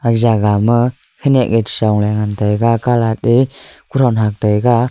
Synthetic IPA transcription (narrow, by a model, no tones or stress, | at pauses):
akzaɡamɯ | kʰenɛʔ̚ŋetsaŋlajŋantajɡakalat̚ekuɾɔnɦak̚tajɡa